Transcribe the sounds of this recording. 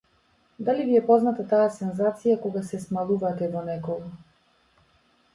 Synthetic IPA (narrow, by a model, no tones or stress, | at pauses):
d̪aliviɛpɔznat̪at̪aasɛnzat̪sijakɔɡasɛsmalˠuvat̪ɛvɔnɛkɔɡa